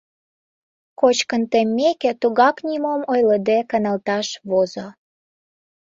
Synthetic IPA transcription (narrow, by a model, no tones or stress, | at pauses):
kot͡ɕkənt̪emːekĕt̪uɣɑknʲimomojləd̪ekɑnɑlt̪ɑʃβozo